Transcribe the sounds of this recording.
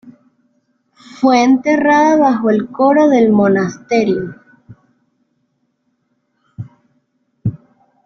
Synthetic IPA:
fweːnt̪eraðaβaxoelkoɾoðelmonast̪eɾjo

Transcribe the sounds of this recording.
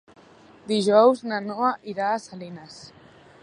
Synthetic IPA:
d̪iʒɔwznanɔaʔiɾaːsalinas

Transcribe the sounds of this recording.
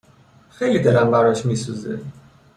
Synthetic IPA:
xe̞jlid̪elæmbæɾɒʃmiːsuzḛ

